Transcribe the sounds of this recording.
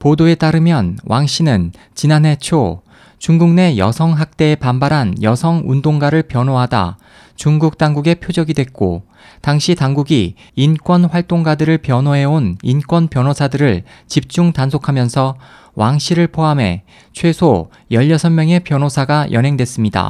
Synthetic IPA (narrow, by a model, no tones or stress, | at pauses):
podoe̞t͈aɾɯmjʌnwaŋɕ͈ʰinɯn | t͡ɕinanɦe̞t͡ɕʰo | t͡ɕuŋɡuŋne̞jʌ̰sʰʌŋɦak̚t͈e̞ːepambaɾɦanjʌsʰʌŋundoŋɡaɾɯɭpjʌnɦoɦada̰ | t͡ɕuŋɡuk̚t͈aŋɡuɡe̞pʰjod͡ʑʌɡidwe̞k̚k͈o̰ | taŋɕʰitaŋɡuɡi | ink͈wʌnɸwaɭt͈oŋɡadɯɾɯɭpjʌnoɦe̞onink͈wʌnpjʌnosʰadɯɾɯɭt͡ɕip̚t͡ɕ͈uŋtansʰokʰamjʌnsʰʌ | wʔaŋɕʰiɾɯɭpʰoame̞̰ | t͡ɕʰwe̞sʰo | jʌʎːʌsʰʌnmjʌŋe̞pjʌnosʰaɡajʔʌnɦe̞ŋdwe̞s͈ɯmɲida̰